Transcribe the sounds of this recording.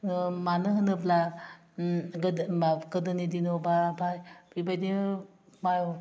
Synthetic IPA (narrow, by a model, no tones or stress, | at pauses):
manɯɦɯnɯbla | ɡaɡɯdɯnidinobabajbibajdi | majo